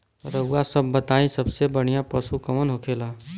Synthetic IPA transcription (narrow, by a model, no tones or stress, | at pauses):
t̪əɾəuasəbːət̪aĩsəbsebəɽ̤̃ijãpəsukəmənɦokʰela